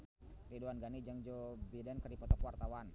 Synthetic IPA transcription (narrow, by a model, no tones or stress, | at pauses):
riduanɡanid͡ʒaŋd͡ʒobidankərdipɔt̪ɔpwart̪awan